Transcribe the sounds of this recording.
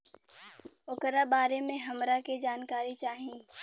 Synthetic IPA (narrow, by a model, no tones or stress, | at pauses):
ʊkɾabaːɾemẽɦɐmɾaked͡ʒaːnkaːɾit͡ʃaːɦĩː